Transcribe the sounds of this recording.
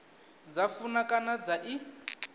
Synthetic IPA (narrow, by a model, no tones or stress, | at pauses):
d͡zafunakʼanad͡zaʔi